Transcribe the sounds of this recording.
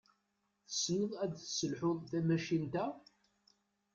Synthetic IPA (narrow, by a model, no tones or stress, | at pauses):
θə̥snəðˤæd̪θsəlħʊðθæmæʃint̪æ